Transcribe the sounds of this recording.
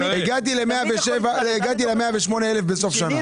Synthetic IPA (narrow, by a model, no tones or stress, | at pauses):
heɡat̪̬ilemeabeʃevaeɡat̪̬ilemeabeʃmo̞neelefbeso̞fʃana